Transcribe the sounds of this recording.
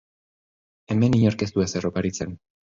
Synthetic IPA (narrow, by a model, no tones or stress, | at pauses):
e̞me̞niɲaɾkest̪ueseropaɾit͡se̞n